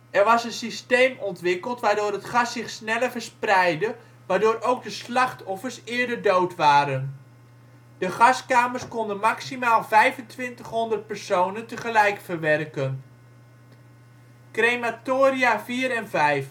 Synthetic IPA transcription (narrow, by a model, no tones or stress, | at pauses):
ɛrʋɑsənsistejmɔntʋɪkəlˠtʋaːɹdʊːɾɦətχɑsɪχsnɛləvəɹsprɛjdə | ʋaːɹdoːrowɡ̚dəslɑχtʰɔfərsɪːɹdəɹdowtʋaːɾən | d̥əχɑskaːmərskɔndənmaksimaːlˠvɛjvəntʋɪntəχɦɔndərt̚pɛɹsownəntəχəlɛjkfərʋɛrkən | krejmatoːriaviːɾɛnvɛjf